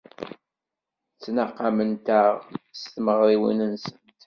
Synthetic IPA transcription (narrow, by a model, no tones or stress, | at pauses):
t͡sːnaqːamənt̪aʁst̪məʁɾiwənənsənt̪